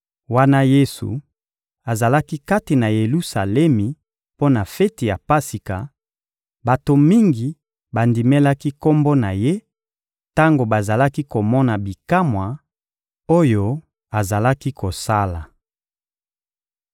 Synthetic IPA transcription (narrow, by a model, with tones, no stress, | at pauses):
wa˦na˦je˦sṵ˨ | a˨za˨la˦ki˦ka˦ti˨na˨je˨lu˦sa˨lɛ˦mi˨ | po˦na˨fɛ˦ti˨ja˨pa˦si˨ka˨ | ba˨to˨mi˦ŋɡi˨ | ba˨ndi˨mɛ˦la˦ki˦ko˦mbo˦na˨je˦ | ta˦ŋɡo˨ba˨za˨la˦ki˦ko˨mɔ˦na˨bi˨ka˦mwa˨ | o˦jo˦ | a˨za˨la˦ki˦ko˨sa˦la˨